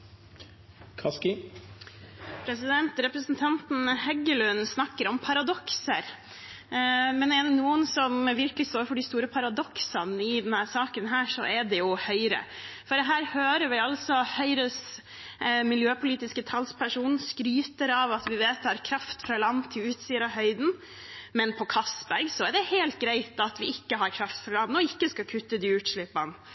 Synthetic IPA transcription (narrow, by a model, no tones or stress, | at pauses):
kʰɑskɪ | pʰɾɛsɪd̪ɛnt̪ɾɛpɾəsnt̪ʰɑnt̪n̩hɛɡəlʉnːsnɑkːəɾɔmpʰɑɾɑd̪ɔksəɾ | mɛnɛɖ̪ɛnuːənsɔmʋɪɾkəlɪst̪oːɾfɔɖɪst̪uːɾəpʰɑɾɑd̪ɔksɑnɪd̪ɛnhæːɾsɑːkənɦæːʂɔ̰ʔɛd̪ɛjʊhœʏɾə̰fɔɖ̪ɛɦæːɾhøːɾəɾʋɪɑlsɔhœʏɾəs | mɪljøːpʰʊliːt̪ɪskət̪ʰɑlspʰæʂuːn̩skɾyːt̪əɾɑʋɑt̪ʋɪʋeːt̪ɑɾkʰɾɑft̪fɾɑlɑnt̪ʰːɪlʉːt̪siːəɾɑɦœʏd̪n̩ | mɛnpʰɔkʰɑsbæɾɡsɔɛɖɛheːlt̪̚ɡɾæɪt̪ɑt̪ʋɪɪkːəɦɑɾkʰɾɑft̪fɾɑlɑnnɔɪkːəskɑkʰʉt̪ːəd̪ɪʉːʈʂɭɪpːɑn